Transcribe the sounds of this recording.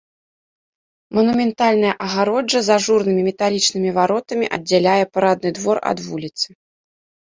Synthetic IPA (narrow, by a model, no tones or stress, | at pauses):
mɐnumʲɛnt̪alʲnɐjɐʔɐɣaɾɔd͡ʐɐzaʐurnɨmʲimʲɛt̪alʲit͡ʂnɨmʲivaɾɔt̪ɐmʲiʔɐ̰d͡zʲːalʲajɛpaɾad̪̚nɨd̪vɔrɐ̰d̪vulʲit̪sɨ̥